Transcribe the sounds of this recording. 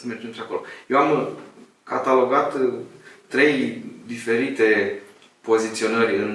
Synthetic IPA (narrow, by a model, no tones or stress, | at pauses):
əmerd͡ʒenp̪ɾeako̞lo̞̰je̞wam | kat̪alo̞ɡat̪ː | ɾe̞jd̪ife̞ɾit̪e̞ | po̞zit̪sio̞nərʲɨn